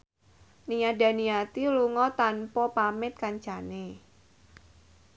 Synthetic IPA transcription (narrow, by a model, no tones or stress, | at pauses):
niada̤nijat̪iluŋɔt̪anpɔpamɪt̪̚kaɲt͡ʃane